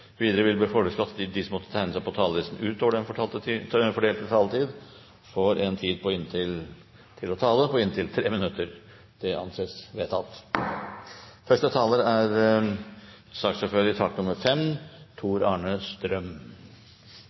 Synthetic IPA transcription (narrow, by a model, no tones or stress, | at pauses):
ʋiːd̪əɾəʋɪlbliːfɔɡəskɑt̪ːd̪ɪsɔmɔt̪ːət̪ʰæɪnəsæɪpɔt̪ʰɑːləlɪst̪n̩ʉːt̪oːʋəɖɛnfɔɑt̪əfɔɖeːlt̪ət̪ʰɑːlət̪ʰiːd̪ | fɔɾɛnt̪ʰiːd̪pʰɔɪnt̪ʰɪl | t̪ʰɪlɔt̪ʰɑːləpʰɔɪnt̪ʰɪlt̪ʰɾeːmɪnʉt̪əɾ | d̪̥ɛʔɑ̰nseːsʋeːt̪ʰɑlt̪ | fœʂʈət̪ʰɑːləɾæɾ | sɑksfɔføːɾɪt̪ʰɑk̪nʊmːəɾfɛmt̪ʰuːɾɑːɳəst̪ɾœm